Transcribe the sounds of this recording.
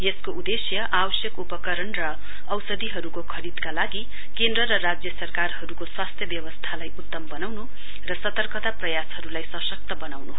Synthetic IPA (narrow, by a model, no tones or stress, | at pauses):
jeskoud̪esjʌʔabʌsjʌkupʌkʌɾʌnrʌː | wsʌd̪iɦʌɾukokʰʌɾid̪kalaɡi | kend̪rʌɾʌrad͡zjʌsʌrkarhʌɾukoswast̪ʰjʌbjʌbʌst̪ʰalajut̪ːʌmbʌnawnu | rʌsʌt̪ʌrkʌt̪aprʌjashʌɾulajsʌsʌk̚t̪ʌbʌnawnu